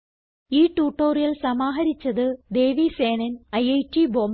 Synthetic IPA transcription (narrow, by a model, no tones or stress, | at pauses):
iːʈːuːʈːoːrijɐlsɐmaːɦɐɾit͡ɕːɐðɨd̪eːʋiseːnɐnɐjɐjʈiboːm